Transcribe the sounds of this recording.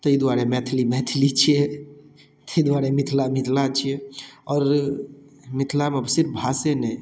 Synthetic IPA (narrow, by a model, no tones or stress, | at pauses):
t̪əid̪waɾɛmɛt̪ʰlimɛt̪ʰlit͡ʃʰijɛ | t̪əid̪waɾɛmit̪ʰlamit̪ʰlat͡ʃʰijɛɔːɾ | mit̪ʰlameəbsiɾbʱasenɛ